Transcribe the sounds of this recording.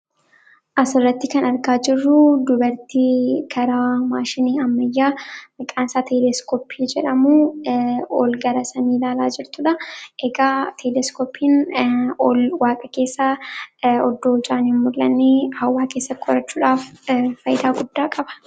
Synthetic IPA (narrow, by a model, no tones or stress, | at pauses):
ʔɐsɪrːɐt̪ːɪkɐnɐɾkaːd͡ʒɪrːʊd̪ʊbɐɾt̪iːkʰɐɾaːmaːʃɪniːɐmːɐjːaːmɪkʼaːnsaːt̪ʰɛlɛskʰoːpʰiːd͡ʒɛᶑɐmuː | ɔlɡɐɾɐsɐniːlaːlaːd͡ʒɪɾt̪ʊᶑɐʔɛɡaːt̪ʰɛlɛskoːpʰiːnɔlwaːkʼɐke̞ːsːa | ɔd̪ːoːɪd͡ʒaːnhɪnmʊlːɐnːeːhɐwːaːke̞ːsːɐt̪ːɪkʰɔɾɐt͡ʃːuːᶑaːffɐjɪd̪aːɡʊd̪ːaːkʼɐbɐ̥